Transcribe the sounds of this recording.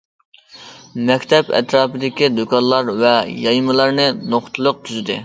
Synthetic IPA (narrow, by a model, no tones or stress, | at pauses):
mɛkʲt̪ʰɛpɛ̰t̪ɾɑːpɨd̪ɪkʲid̪okʰɑnlˠɑɾvɛjɑjmɨlˠɑɾnɨnoχt̪ʰɨlˠəq̚t̪ʰyzɪd̪ɪ